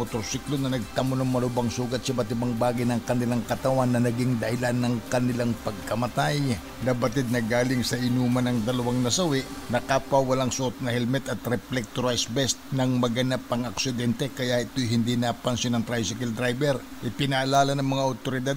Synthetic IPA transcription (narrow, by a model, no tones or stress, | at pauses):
ot̪osiklonɐnɐɡ̚t̪ɐmonɐŋmɐlʊbaŋsuːɡɐt̪̚sɐbɐt̪ɪbaŋbaːɡɪjnɐŋkɐnɪlaŋkɐt̪ɐwanːɐnɐɡiŋd̪ɐhɪlanːɐŋkɐnɪlaŋpɐɡ̚kɐmɐt̪aj | nɐbɐt̪ɪd̪̚nɐɡaːlɪŋsɐʔɪnuːmɐnɐŋd̪ɐlɐwaŋnɐsɐwɛʔnɐkaːpɐwɐlaŋsʊʔot̪̚nɐhɛlmɛt̪ɐt̪ɾɛplɛk̚t̪oɾajsbɛst̪nɐŋmɐɡɐnapɐŋɐksɪd̪ɛnt̪ɛkɐjaʔɪt̪ojhɪnd̪inɐpɐnsonɐŋt̪ɾajsɪkɐld̪ɾajbɛɾ | ʔɪpɪnɐʔalaːlɐnɐŋmɐŋaʔot̪oɾɪd̪ad̪̚